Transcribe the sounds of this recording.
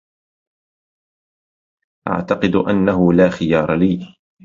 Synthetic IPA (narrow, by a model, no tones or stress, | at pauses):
ʔa̰ʕt̪ɑqɨd̪ʔanːahʊlaːxɪjɑːɾˤɑliː